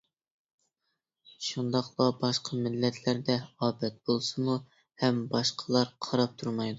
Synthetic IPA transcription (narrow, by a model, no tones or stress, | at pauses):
ʃund̪ɑqlˠɑbɑʃqʰɑmɪlːɛt̪ʰlæɾd̪ɛɑːbɛt̪̚b̥olˠsɨmu | hɛmbɑʃqʰəlˠɑɾqʰɑɾɑp̚t̪ʰuɾmɑjd̪u